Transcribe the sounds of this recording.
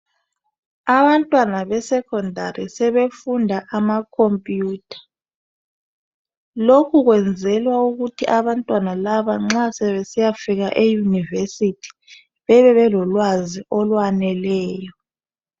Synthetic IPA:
aβantʼwanaβɛsɛkʰɔndʱaɾisɛβefundʱaʔamakʰompʼjuːtʰḁ | lokʰuɣwɛnd͡zʱɛlwauɣutʰiʔaβantʼwanalaβaŋ͡ǁasɛβesijafiɣaʔejunivesitʰi̥ | βɛβɛβɛlɔlwaziʔɔlwanɛlɛːjɔ

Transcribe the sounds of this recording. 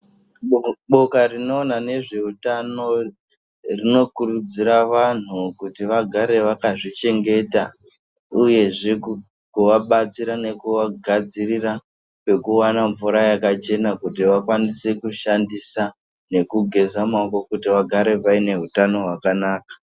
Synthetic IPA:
ɓo̞karino̞ːnane̞ʐe̞utano̞ | rino̞kurud͡ziɾaʋan̤ukutiʋaɡʱaɾe̞ʋakaʐit͡ʃe̞ŋɡe̞ta | uje̞ʐe̞k | kuʋaɓat͡siɾane̞kuʋaɡʱad͡zirira | pe̞kuwanaɱvuɾajakat͡ʃe̞nakutiʋakwanisekuʃandisa | ne̞kuɡʱe̞zamaɡokutiʋaɡʱaɾe̞ʋaine̞ɦutano̞ɦwakanaːkḁ

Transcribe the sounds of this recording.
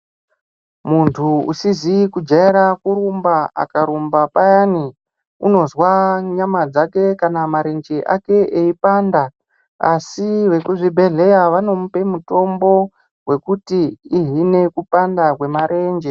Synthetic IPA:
muntʰuṵsizikud͡ʒaiɾakuɾumbaa̰kaɾumbapajani | uno̞zwaɲamad͡zake̞kanamaɾe̞nd͡ʒeʔa̰ke̞ʔeipaːnda | a̰siʋe̞kuʐibʱe̞ɮe̞jaʋano̞mupe̞muto̞mbo̞ | we̞kutiːɦine̞kupandakwe̞maɾʔe̞ːnd͡ʒe

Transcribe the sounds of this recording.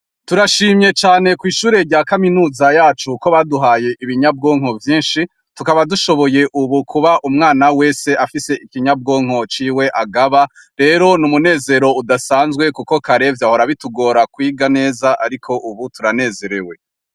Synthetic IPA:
tuɾaʃiːmɲe̞t͡ʃaːne̞kwiːʃuːɾe̞ɾɟaːkaminuːzajaːt͡ʃuko̞βaduɦaːje̞ʔiβiɲab̚ɡo̞ːŋo̞vjiːnʃi | tukaβaduʃo̞βo̞je̞ʔuβukʰuβaʔumŋaːnawe̞ːse̞ʔafise̞ʔikiɲab̚ɡo̞ːŋ̥o̞t͡ʃiːwe̞ʔaɡaβa | ɾe̞ːɾo̞numune̞ːze̞ɾo̞udasaːnzɡwe̞kuko̞kaɾe̞vjaːho̞ɾaβituɡo̞ːɾakwiːɡane̞ːzaʔaɾikʰo̞ʔuβutuɾane̞ːze̞ɾewe̞

